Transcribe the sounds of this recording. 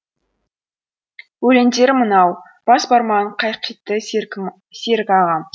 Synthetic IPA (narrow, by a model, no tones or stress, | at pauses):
wɵle̞nd̪e̞ɾmənɑw | b̥ɑsbɑɾmɑɴqʰɑjqːit̪ːə | seɾkʲɑʁɑn